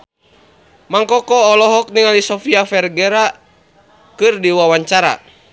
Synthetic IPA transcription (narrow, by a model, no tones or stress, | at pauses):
maŋkɔkɔːlɔɦɔk̚niŋalisɔfiafɛrɡɛɾa | kɨrdiwawaɲt͡ʃaɾa̰